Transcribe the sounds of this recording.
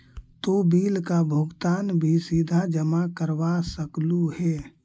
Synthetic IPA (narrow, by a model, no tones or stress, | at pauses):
t̪obiːlkabʱʊɡt̪aːnbʱisid̪ʱad͡ʒəmakəɾbasəkluhɛ